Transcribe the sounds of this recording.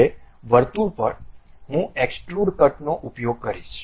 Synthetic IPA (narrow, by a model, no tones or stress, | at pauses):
e | ʋəɾt̪upəɾ | ɦũeksʈɾuɽkəʈnoʔupjoɡ̚kəɾiʃ